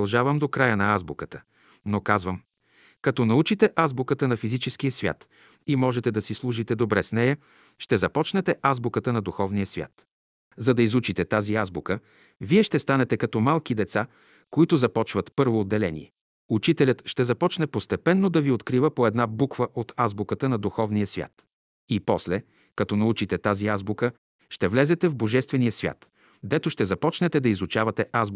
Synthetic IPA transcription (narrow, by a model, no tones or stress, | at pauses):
lˠʒavəmd̪okɾajənɐazbukət̪ə̥ | nokazvəm | kɐt̪ɔnɐut͡ʃit̪ɛʔazbʊkət̪ənɐfizit͡ʃɛskijəsvʲja̰t̪ | imɔʒɛt̪ɛd̪ɐsislˠuʒit̪ɛd̪obɾɛsnɛjɐ | ʃt̪ɛzɐpɔt͡ʃnɛt̪ɛʔazbʊkət̪ənɐd̪uxɔvnijəsvʲja̰t̪ | zɐd̪ɐizut͡ʃit̪ɛt̪aziazbukə | viɛʃt̪ɛst̪anɛt̪ɛkɐt̪ɔmalˠkid̪ɛt̪sa | koit̪ʊzɐpɔt͡ʃvət̪pɤɾvoːd̪ːɛlɛnḭɛ | ut͡ʃit̪ɛlʲət̪ʃt̪ɛzɐpɔt͡ʃnɛpost̪ɛpɛnːod̪ɐviot̪kɾivəpoɛd̪nabukvəʔot̪ʰazbʊkət̪ənɐd̪uxɔvnijəsvʲja̰t̪ | ipɔslɛ | kɐt̪ɔnɐut͡ʃit̪ɛt̪aziazbʊkə | ʃt̪ɛvlɛzɛt̪ɛvboʒɛst̪vɛnijəsvʲja̰t̪ | d̪ɛt̪oʃt̪ɛzɐpɔt͡ʃnɛt̪ɛd̪ɐizut͡ʃavɐt̪ɛʔazb